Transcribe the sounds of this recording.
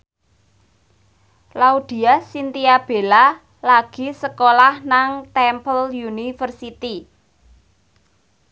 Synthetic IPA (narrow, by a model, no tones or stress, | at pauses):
laud̪̥i̤asint̪iab̥e̤la | laɡ̥i̤səkolahnaŋt̪ɛmpəljunifərsit̪i